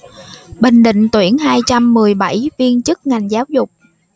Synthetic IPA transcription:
ɓï˨˩ŋ̟ɗḭ̈˧˨ŋ̟t̪wi˧˩ənɦaː˧jt͡ɕa˧mːɨ˨˩əjɓa˧˩jvi˧ənt͡ɕɨ˦˥k̚ŋa˨˩jŋ̟zaː˨˦wzʊ˨˩k͡p̚

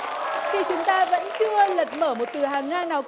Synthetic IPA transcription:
xi˨˩t͡ɕʊ˨˦ŋ͡mt̪aː˧və̰˧˥nt͡ɕɨ˧ələ˨˩t̚məː˧˩mo˨˩t̚t̪ɨ˨˩ɦaː˨˩ŋːaː˧˩naː˨˩w

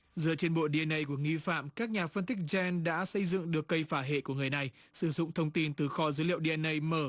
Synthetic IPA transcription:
zɨ˨˩ət͡ɕe˧nɓo̰˧˨ɗi˧ɛ˧nʔə˧jku˧˩əŋi˧fa̰ː˧˨mkaː˦˥k̚ɲaː˨˩fə˧nt̪ï˦˥k̚zɛ˧nɗa̰ː˧˥sə˧jzɨ̰˧˨ŋɗɨ˨˩əkːə˧jfaː˧˩ɦḛ˧˨ku˧˩əŋ˨˩əjna˨˩j | sɨ˧˩zʊ̰˧˨ŋ͡mt̪ʰə˧wŋ͡mt̪i˧nt̪ɨ˨˩xɔ˨˩zəː˨˦lḭ˧˨əwɗi˧ʔɛ˧nʔə˧jməː˧˩

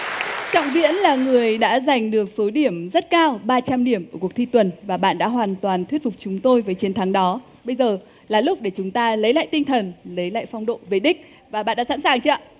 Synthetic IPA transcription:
t͡ɕɔ̰˧˨wŋ͡mvḭ˧˥ənlaː˨˩ŋɨ˨˩əjɗa̰ː˧˥za˨˩jŋ̟ɗɨ˨˩ək̚so˨˦ɗi˧˩əmzə˦˥t̚kaː˧wɓaː˧t͡ɕa˧mɗi˧˩əmʔəː˧˩ku˨˩ək̚t̪ʰi˧t̪wə˨˩nvaː˨˩ɓa̰ː˧˨nɗa̰ː˧˥ɦwaː˨˩nt̪waː˨˩nt̪ʰwi˦˥t̚fʊ˨˩k͡p̚t͡ɕʊ˨˦ŋ͡mt̪o˧jvəː˨˦jt͡ɕi˨˦nt̪ʰa˨˦ŋɗɔ˨˦ | ɓə˧jzəː˨˩ | laː˨˩lʊ˦˥k͡p̚ɗe˧˩t͡ɕʊ˨˦ŋ͡mt̪aː˧lə˨˦jla̰ː˧˨jt̪i˧ŋt̪ʰə˨˩nlə˨˦jla̰ː˧˨jfɔ˧wŋ͡mɗo̰˧˨ve˨˩ɗï˦˥k̟̚ | vaː˨˩ɓa̰ː˧˨ɗa̰ː˧˥sa̰˧˥nsaː˨˩ŋt͡ɕə˧˦˨

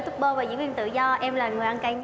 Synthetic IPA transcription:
t̪ʰʊ˦˥k͡p̚ɓo˧vaː˨˩zɨ̰˧˥wi˧ənt̪ɨ̰˧˨zɔ˧ʔɛ˧mlaː˨˩ŋɨ˨˩əjʔa˧nka˧ɲ

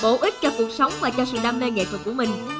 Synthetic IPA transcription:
ɓo̰˧˦ʔi˦˥t̚t͡ɕɔ˧ku˨˩ək̚sə˨˦wŋ͡mvaː˨˩t͡ɕɔ˧sɨ̰˧˨ɗaː˧mneː˧ŋḛ˧˨t̪ʰwə˨˩t̚ku˧˩əmï˨˩ŋ̟

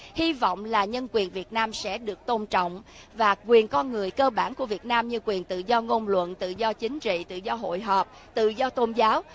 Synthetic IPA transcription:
hi˧vɔ̰˧˨wŋ͡mlaː˨˩ɲə˧nkwi˨˩ənvi˨˩ət̚naː˧msɛ̰˧˥ɗɨ˨˩ək̚t̪o˧nt͡ɕɔ̰˧˨wŋ͡m | vaː˨˩kwi˨˩ənkɔ˧nŋɨ˨˩əjkəː˧ɓaː˧˩nku˧˩əvi˨˩ət̚naː˧mɲɨ˧kwi˨˩ənt̪ɨ̰˧˨zɔ˧ŋo˧nlwə̰˧˨nt̪ɨ̰˧˨zɔ˧t͡ɕï˨˦ŋ̟t͡ɕḭ˧˨t̪ɨ̰˧˨zɔ˧ɦo̰˧˨jɦɔː˨˩p̚ | t̪ɨ̰˧˨zɔ˧t̪o˧nzaː˨˦w

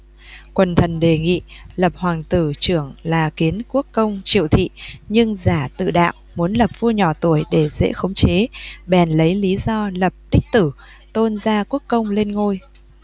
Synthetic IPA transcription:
kwə˨˩nt̪ʰə˨˩nɗe˨˩ŋḭ˧˨lə˨˩p̚hwaː˨˩ŋt̪ɨ˧˩t͡ɕɨ˧˩əŋlaː˨˩ki˨˦ənku˦˥əkːə˧wŋ͡mt͡ɕḭ˧˨əwt̪ʰḭ˧˨ɲɨ˧ŋzaː˧˩t̪ɨ̰˧˨ɗa̰ː˧˨wmu˨˦ənlə˨˩p̚vu˧əɲɔ˧˩t̪u˧˩əjɗe˧˩zḛ˧˥xə˨˦wŋ͡mt͡ɕe˨˦ɓɛ˨˩nlə˨˦jli˨˦zɔ˧lə˨˩p̚ɗï˦˥k̟̚t̪ɨ˧˩ | t̪o˧nzaː˧ku˦˥əkːə˧wŋ͡mle˧nŋo˧j

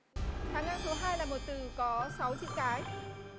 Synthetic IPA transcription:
t̪ʰaː˨˦ŋːaː˧ŋsʰɔ˨˦ɦaː˧jlaː˨˩mo˨˩t̚t̪ɨ˨˩kɔ˨˦sa˨˦wt͡ɕɨ̰˧˥ŋkaː˨˦j

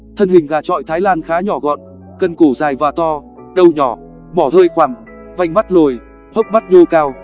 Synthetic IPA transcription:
t̪ʰə˧nhï˨˩ŋ̟ɣaː˨˩t͡ɕɔ̰˧˨jt̪ʰaː˨˦jlaː˧nxaː˨˦ɲɔ˧˩ɣɔ̰˧˨n | kə˧˩nko˧˩zaː˨˩jvaː˨˩t̪ɔ˧ | ɗə˧wɲɔ˧˩ | ɓɔ˧˩t̪ʰəː˧jxwaː˨˧˩ŋ | va˧jŋ̟ma˦˥t̚lo˨˩j | hə̰˦˥k͡p̚ma˦˥t̚ɲo˧kaː˧w

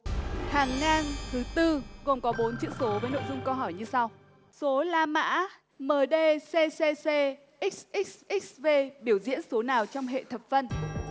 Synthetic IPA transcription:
haː˨˩ŋːaː˧nt̪ʰɨ˨˦t̪ɨ˧ɣo˨˩mkɔ˨˦ɓo˨˦nt͡ɕɨ̰˧˥əso˨˦vəː˨˦jno̰˧˨jzʊ˧ŋ͡mkə˧wɦɔ˧˩jɲɨ˧sa˧w | so˨˦laː˧ma̰ː˧˥ | məː˨˩ɗe˧se˧se˧se˧ | ʔi˦˥k̚sʔi˦˥k̚sʔi˦˥k̚sve˧ɓi˧˩əwzḭ˧˥ənso˨˦naː˨˩wt͡ɕɔ˧wŋ͡mɦḛ˧˨t̪ʰə˨˩p̚fə˧n

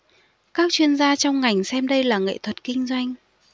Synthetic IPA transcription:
kaː˦˥k̚t͡ɕwi˧ənzaː˧t͡ɕɔ˧wŋ͡mŋa˨˩jŋ̟sɛ˧mɗə˧jlaː˨˩ŋḛ˧˨t̪ʰwə˨˩t̚kï˧ŋ̟zwa˧jŋ̟

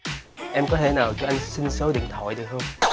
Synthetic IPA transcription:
ʔɛ˧mkɔ˨˦t̪ʰe˧˩naː˨˩wt͡ɕɔ˧ʔa˧jŋ̟sï˧nsə˨˦ɗḭ˧˨ŋt̪ʰɔ̰˧˨jɗɨ˨˩k̚hə˧wŋ͡m

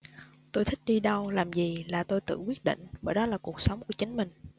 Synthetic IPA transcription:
t̪o˧jt̪ʰï˦˥k̚ɗi˧ɗə˧wlaː˨˩mzi˨˩laː˨˩t̪o˧jt̪ɨ̰˧˨kwi˦˥ət̚ɗḭ̈˧˨ŋ̟ɓəː˧˩jɗɔ˨˦laː˨˩ku˨˩ək̚sə˨˦wŋ͡mku˧˩t͡ɕï˨˦ŋ̟mï˨˩ŋ̟

